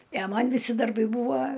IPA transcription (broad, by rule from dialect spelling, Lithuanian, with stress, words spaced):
ɪ ɐ ˈmɐn ʋʲɪˈsʲɪ dɐrˈbɐɪ ˈbuːʋɐ